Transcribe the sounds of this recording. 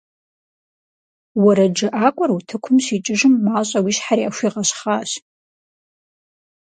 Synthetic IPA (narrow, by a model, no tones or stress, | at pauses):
wɐɾɐd͡ʒɨʔaːkʷʼɔrutʰɨkʷʰʊmɕiːt͡ʃʼɨʒɨmːaːɕʼɐwiːɕħaɾiʔaɕʷiːʁɐɕχaːɕ